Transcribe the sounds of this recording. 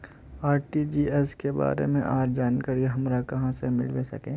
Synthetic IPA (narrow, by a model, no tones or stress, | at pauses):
aːɾʈid͡ʒiːɛskeba̰ːɾḛmẽʔaːɾd͡ʒaːnkəɾjeɦɐmɾakɐɦãsemɪ̰lʋesɐ̰kẽː